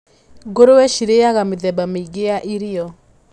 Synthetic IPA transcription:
ɡoɾowɛʃiɾejaɣameðɛbamɡeaʔiɾiɔ

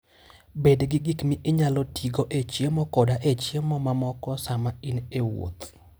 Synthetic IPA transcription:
bedɡɪɡikmɪʔɪɲalɔtʰiɡoʔet͡ʃjemɔkɔdaʔet͡ʃjemɔmamɔkɔsamainewo̰t̪

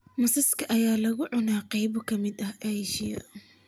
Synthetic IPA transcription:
mɐsɐskʰɐʔɐjaːlɐɣʊʕʊnaːqɑjbɔkʰɐmɪd̪ɐhʔɐjʃɪjɐ̰

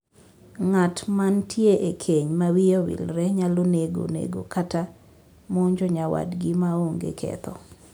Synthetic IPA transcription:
ŋatmantʰjeʔekʰeɲmawijowḭlɾɛɲaloneɡo̰nḛɡo̰kata | moɲd͡ʒoɲawa̰dɡɪmaoŋɡḛkʰɛ̰t̪ɔ

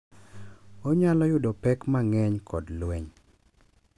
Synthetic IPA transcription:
oɲalɔjʊdopɛkmaŋɛɲkʰɔdlwɛɲ

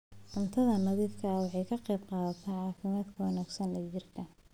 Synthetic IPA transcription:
d̥ʊnt̪ʰɐðɐnɐðifkʰɐwɑħɑjkʰɐqɛːbqɑːðɐt̪ʰɐʕɑːfɪmaːd̪kʰɐwɐnæːɡsɐnlɐt͡ʃɪrkʰɐ

